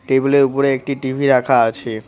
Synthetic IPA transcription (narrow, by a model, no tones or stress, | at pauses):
ʈebuleɾupoɾeek̚ʈiʈibʱiɾakʰaat͡ɕʰe